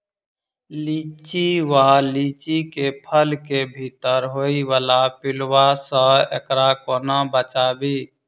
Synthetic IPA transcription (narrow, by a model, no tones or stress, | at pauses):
lit͡ʃt͡ʃiʋalit͡ʃikepʰəlkebʱit̪əɾɦoiʋalapilwasə̃ḛkɾakonabət͡ʃabi